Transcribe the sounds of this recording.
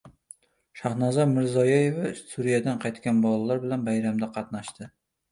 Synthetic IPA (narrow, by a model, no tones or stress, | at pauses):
ʃahnazaɾmɪɾzɒjɒjevasuɾijad̪anqʰɑjt̪kʲanbɒlˠalaɾbɪlanbajɾamd̪aqʰɑt̪naʃt̪ɪ